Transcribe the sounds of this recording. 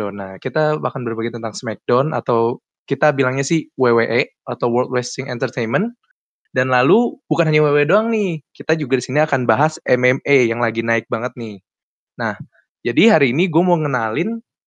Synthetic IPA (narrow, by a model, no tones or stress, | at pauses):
onahkit̪amakanbərbaɡit̪ənt̪aŋsmɛk̚dɔnʔa̰t̪aw | kit̪abilaŋɲasɪhweweʔe | at̪awwəlt̪̚wɛst̪ɪŋɛnt̪ərt̪ejnmən | danlalubukanɦaɲaweweedoaŋnɪhkit̪ad͡ʒuɡadisiniakanbaɦasɛmɛmejaŋlaɡinaɪk̚baŋət̪̚nɪh | nah | d͡ʒadiɦaɾiːniɡuamawŋənalɪn